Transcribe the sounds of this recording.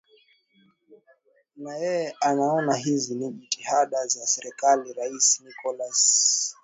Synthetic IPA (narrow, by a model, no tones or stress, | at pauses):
najɛjɛanaɔnaɦiziniʄitihaɗazasɛɾɛkaliɾaisnikɔlas